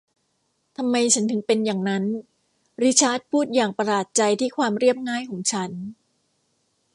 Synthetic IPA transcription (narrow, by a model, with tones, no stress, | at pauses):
t̪ʰa˧mːa˧jt͡ɕʰa˦˥nt̪ʰɯ˩˦ŋpe˧njaː˨˩ŋna˦˥n | ɾi˦˥t͡ɕʰaː˦˥˩t̪̚pʰuː˥˩t̪̚jaː˨˩ŋpa˧laː˨˩t̪̚t͡ɕa˧jt̪ʰiː˥˩kʰwaː˧mɾi˥˩əp̚ŋaː˥˩jkʰɔː˩˦ŋt͡ɕʰa˦˥n